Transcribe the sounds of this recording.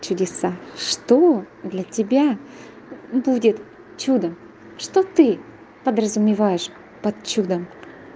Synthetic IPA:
t͡ɕʊdʲɪsaʂt̪o | d̪lʲɐtʲɪbʲa | budʲɪt̪ | t͡ɕud̪əm | ʂt̪ot̪ɨ | pəd̪rəzʊmʲɪvajɪʂ | pɐt̪t͡ɕːud̪əm

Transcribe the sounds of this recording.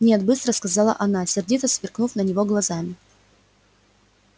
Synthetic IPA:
nʲet̪bɨst̪ɾəskɐzɑlˠə̰ʔɐnasʲɪrdʲit̪əsvʲɪrknufnənʲɪvoɡlˠɐzamʲɪ

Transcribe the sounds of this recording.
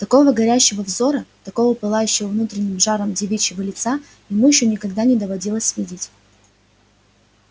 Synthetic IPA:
t̪ɐko̞vəɡɐɾʲæɕːɪvəvzo̞ɾət̪ɐko̞vəpɨlˠajʉɕːɪvəvnut̪ɾʲɪnʲːɪmʐaɾəmdʲɪvʲit͡ɕːɪvəlʲɪt̪sa | jɪmujɪɕːonʲɪkɐɡd̪anʲɪd̪əvɐdʲilˠəsʲvʲidʲɪtʲ

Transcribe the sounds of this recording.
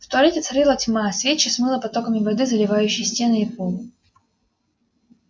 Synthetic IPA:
ft̪ʊɐlʲetʲɪt̪sɐɾʲɨlˠɐtʲmaɐsʲvʲet͡ɕːɪsmɨlˠəpɐt̪o̞kəmʲɪvɐd̪ɨzəlʲɪvajʉɕːɪjsʲtʲe̞nɨipolˠ

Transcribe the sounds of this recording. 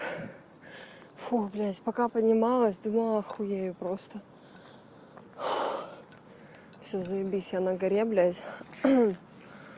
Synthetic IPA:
fublʲæsʲpɐkapədʲnʲɪmɑlˠəsʲd̪umlˠɐxʊjejʊpɾost̪ə | fsʲozəɪbʲisʲjanaɡɐɾʲeblʲæsʲ

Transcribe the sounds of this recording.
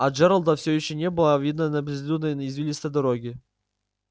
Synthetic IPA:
ad͡ʒeɾəlˠd̪əfsʲojɪɕːonʲebɨlˠavʲid̪nənɐblʲɪzʲlʲud̪nəjnizvʲilʲist̪əjd̪ɐɾoɡʲɪ

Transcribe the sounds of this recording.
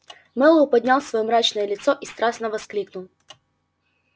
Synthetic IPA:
mɛlˠʊpɐd̪ʲnʲalˠsvɐjɔmɾat͡ɕnəjəlʲɪt̪sɔʔist̪ɾasnəvɐsklʲiknʊlˠ

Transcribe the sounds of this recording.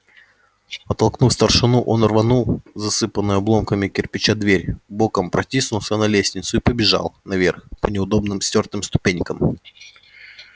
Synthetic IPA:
pɐt̪ɐlˠknufst̪ərʂɨnuʔo̞nɐrvɐnulˠzɐsɨpənːʊjʊɐblˠo̞mkəmʲɪkʲɪrpʲɪt͡ɕad̪vʲeɾʲbokəmpɾɐtʲisnʊlˠsʲənɐlʲesʲnʲɪt̪sʊɪpəbʲɪʐa̰lˠnɐvʲerxpənʲɪʊd̪o̞bnɨmsʲtʲo̞rt̪ɨmst̪ʊ̥pʲenʲkəm

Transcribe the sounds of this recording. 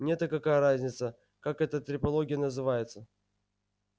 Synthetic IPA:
nʲet̪əkɐkajəɾazʲnʲɪt̪sə | kakɛt̪ət̪ɾʲɪpɐlˠo̞ɡʲɪjənəzɨvajɪt̪sə

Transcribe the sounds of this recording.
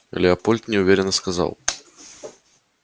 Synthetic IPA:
ɐ̰lʲɛɐpɔlʲt̪nʲɛwvʲeɾʲɛnːɐskaza̰w

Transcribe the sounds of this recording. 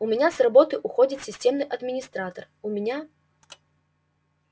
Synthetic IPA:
ʊmʲɪnʲasrabɔt̪ɨjʔuxɔd͡zʲit̪ʲsʲɪsʲtʲɛmnɨjʔɐd̪mʲɪnʲist̪ɾat̪ər | ʊmʲɪnʲa

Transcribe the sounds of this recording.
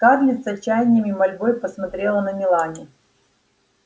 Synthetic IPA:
karlʲɪt̪sət͡ɕæjnʲɪmʲɪmɐlʲbojpəsmɐt̪ɾʲelˠənəmʲɪlˠanʲɪ

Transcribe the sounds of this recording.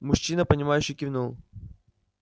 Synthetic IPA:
mʊɕːinəpənʲɪmajʉɕːɪjkʲivʲnulˠ

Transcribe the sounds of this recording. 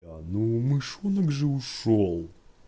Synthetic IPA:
anumɨʂunəkʐɨʊʂolˠ

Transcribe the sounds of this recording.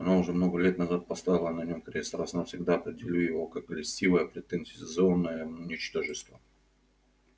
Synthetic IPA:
ɐnaʊʐɛmno̞ɡəlʲe̞t̪nɐzat̪̚pɐst̪avʲɪlˠənɐnʲomkɾʲst̪ɾasnafsʲɪɡd̪aɐpɾʲɪdʲɪlʲujɪvo̞kakːəlʲɪsʲtʲivəjəpɾʲɪt̪ɛnzʲɪsʲɪzonːəjəʊnʲɪt͡ɕt̪oʐɨst̪və

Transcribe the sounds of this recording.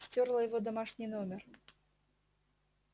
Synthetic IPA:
sʲtʲɔrlˠɐjɔvɔd̪ɐmaʂnʲinɔmʲɛr

